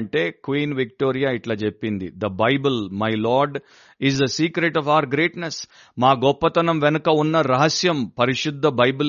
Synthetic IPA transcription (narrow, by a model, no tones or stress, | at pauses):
ɳʈe̞ːkʋiːnʋikʈoːɾijaːiʈlaːt͡ʃepːind̪ḭd̪ɐbɐjbulmɐjlaːɾɖ | izd̪ɐsiːkɾeʈɔfɐʋɐɾɡɾe̞ːʈnes | maːɡɔpːɐt̪ɐnɐmʋɛnɐkɐunːɐɾɐɦɐsjɐmpɐɾiʂud̪ʱːɐbɐjbul